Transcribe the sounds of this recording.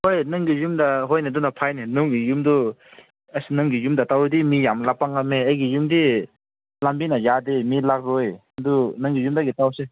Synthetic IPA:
hojnɯŋɡijumdɐɦojnadunapʰajninuŋɡijumdu | ɐsinɯŋɡijumdɐtawɾdimijamlapaŋameɐjɡijumdi | lambinɐjademilak̚ɾoj | dunɯŋɡijumdaɡitawse

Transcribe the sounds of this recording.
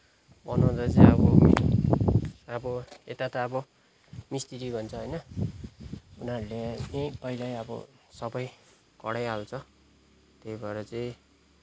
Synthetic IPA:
bʌnaw̃t͡sʌt͡sʌĩʌbʌ | abʌet̪at̪ʌːbʌ | mist̪iɾibʱʌnt͡sʰʌɦʌjnʌ | unaɾuleejpʌilajʌbʌ̰sʌbʌj | kʌɽajalt͡sʰʌ | t̪ejbʱʌeɾʌt͡saĩ

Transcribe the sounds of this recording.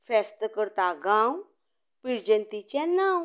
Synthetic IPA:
fɛst̪əkəɾt̪aɡãw | piɾd͡ʑənt̪it͡ɕãnaw

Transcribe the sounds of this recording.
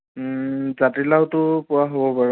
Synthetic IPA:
zatilawtʊpʊwaɦobɔpaɹ

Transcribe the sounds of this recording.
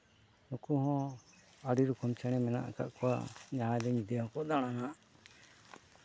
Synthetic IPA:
nukuɦɔ̃ | aɖiɾukɔmt͡ʃʰɛɽ̃ɛmɛna̰ʔka̰ʔkɔwa̰ɲad̪ɛɲid̪ɛɦɔ̃kɔʔd̪aɽ̃anaʔ

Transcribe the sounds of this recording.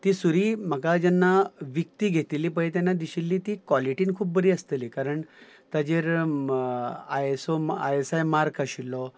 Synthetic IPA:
t̪iːsuɾiːm̤əɡad͡ʑanːaʋjək̚t̪iːɡʱet̪ilːiːp̬əjet̪janːad̪iɕilːiːt̪iːkʋɔliʈiːnkʰuːp̚ːbəɾiːəst̪eliːkaɾəɳ | t̪ad͡ʑeɾ | ajesoa̰jesajmaɾkʰəɕilːɔ

